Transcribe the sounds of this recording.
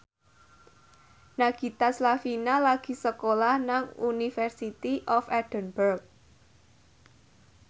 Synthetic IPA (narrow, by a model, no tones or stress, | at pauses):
naɡ̥i̤t̪aslafinalaɡ̥i̤səkolahnaŋunifɛrsit̪iʔɔfɛd̥ə̤nbərk̚